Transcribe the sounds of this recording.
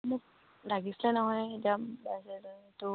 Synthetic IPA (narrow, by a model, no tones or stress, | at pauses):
mʊk̚ | laɡislɛnɔɦɔjetiabɛsɛzitu